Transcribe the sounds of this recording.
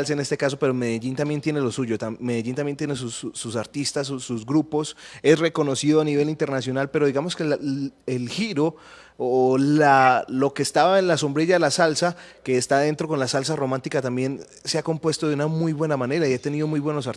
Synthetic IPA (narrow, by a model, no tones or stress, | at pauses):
lsaene̞st̪e̞kas̬o̞pe̞ɾo̞me̞ðeʝint̪amje̞nt̪je̞nelo̞suʝo̞t̪ame̞ðeʝint̪amjent̪jenes̬usːusaɾt̪ist̪as̬usːuzɡɾupo̞se̞sre̞ko̞no̞siðoaniβe̞lint̪e̞ɾnasjo̞nalpe̞ɾo̞ðiɣamo̞skelelxiɾo̞ː | laloke̞st̪aβae̞nlaso̞mbɾe̞ʝaðelasalsake̞ːst̪aðent̪ɾo̞ko̞nlasals̬aro̞mãnt̪ikat̪ambje̞n | seako̞mpwe̞st̪o̞ðeunamujβwe̞namane̞ɾaiat̪e̞niðo̞mujβwe̞no̞sa